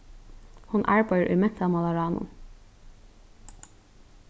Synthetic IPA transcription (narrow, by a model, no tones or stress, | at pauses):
hʊnʔɑ̰ːɹbɑɪəɹʔʉ̰ːmɛt̪ʰɑmɑlɑɹɑːnʊ̰n